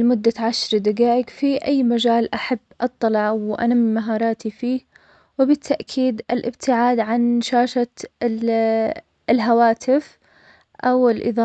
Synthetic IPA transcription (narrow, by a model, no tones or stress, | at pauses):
lmʊd̪ːaʕaʃɾˤd̪aɡaːʔɪɡfiʔajːmad͡ʒaːlʔaħabːʔɑt̪ˤːɑlɑʕwʔa̰namːimaɦɑːɾˤɑːt̪ifiː | wɪbɪt̪ʰːaʔkʰiːd̪ɪlʔɪbt̪ʰɪʕaːd̪ʕanʃaːʃa | lɦawaːt̪ɪf | ʔawɪlʔɨ̰ðˤɑː